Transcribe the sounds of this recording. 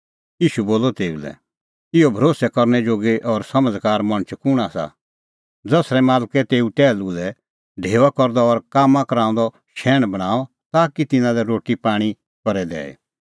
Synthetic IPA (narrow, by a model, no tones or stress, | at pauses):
iːʃuboːlɔt̪eːṵlɛ̰ | ɪobʱɾoːsɛkɔɾnɛd͡ʒoːɡeʔɔɾsɐməd͡zkaːɾmɐ̃ɽ̃t͡ʃʰkʊɽ̃asa̰ | d͡zɐsɾɛmaːlkɛt̪eːuʈɛːlulɛ | ɖʱeːʋakɔɾd̪ɔɔɾkaːmãkɐɾãːʊ̃nd̪ɔ | ʃɛːɽ̃bɐɽ̃aːɔ | t̪aːkit̪ɪnãlɛɾoːʈipaːɽ̃i | kɔɾɛd̪ɛ̰ːḛ